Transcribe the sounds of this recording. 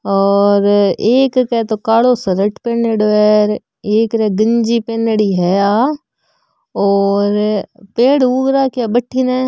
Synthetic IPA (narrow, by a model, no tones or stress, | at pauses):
ɔːɾeːkkɛt̪okaːloːsəɾəʈpeːneɖʋɛːɾ | eːkɾɛɡəɲd͡ʒipeːnəɽiːɦɛaː | ɔːɾpeːɽuːɡɾaːkjabəʈʰːinɛː